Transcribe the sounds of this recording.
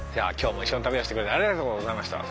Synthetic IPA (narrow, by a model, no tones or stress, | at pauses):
d͡ʑa̰ːkʲo̞ːmoiɕːo̞nit̪abeoɕi̥tekɯɾet̪aɾʲiɡat̪o̞ːɡozaimaɕi̥t̪a̰